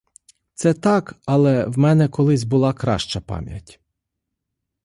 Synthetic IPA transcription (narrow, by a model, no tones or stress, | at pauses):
t̪sɛt̪ɑkɑlˠɛwmɛnɛkɔlˠɪsʲbʊlˠɑkɾɑ̰ʃt͡ʃɐpɑ̰mʲjɐ̰tʲ